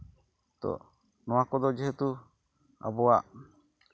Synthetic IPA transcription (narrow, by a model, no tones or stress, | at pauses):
t̪ɔ̰ʔ | nɔ̃wakɔd̪ɔd͡ʒɛɦət̪u | a̰bɔwaʔ